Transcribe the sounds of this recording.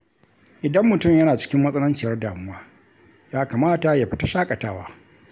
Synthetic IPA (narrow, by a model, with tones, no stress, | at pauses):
ʔɪ˨dɐ˦mːʊ˨tʊ˦˨mjɐ˦naː˨t͡ʃɪ̥˦kʲɪ˦mːɐ˦sʼɐ˦lʊ˦nt͡ʃɪ˨jɐ˦rdaː˨mʊ˦waː˦ | jaː˦kaː˨maː˦ta˨ja˨ɸɪ̥˦ta˦ʃaː˦kʼɐ˨taː˦waː˦